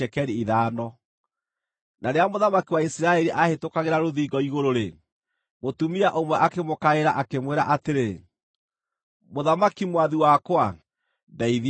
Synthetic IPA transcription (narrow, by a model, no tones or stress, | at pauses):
ɛkɛɾiiðaːnɔ | naɾeamoðamakiwaisɾaɛɾiʔahetokaɣeɾaɾoðiːɡɔiɣoɾoɾe | motumiaʔomwɛʔakemokaeɾaʔakemweɾaʔateɾe | moðamakimwaðiwakwa | daið